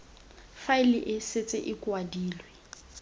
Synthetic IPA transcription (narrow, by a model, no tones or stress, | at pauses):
faɪliʔɪset͡sʼɪʔɪkʼwadiːlwɛ